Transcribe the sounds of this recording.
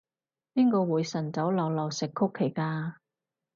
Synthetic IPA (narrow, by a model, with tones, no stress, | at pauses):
piː˥ŋkɔː˧wuː˨˧jsɐ˨˩nt͡sɐ˨˥wlɔ˨˧wlɔː˨wsɪ˨kʰːʊ˥kʰːe˨˩jkaː˧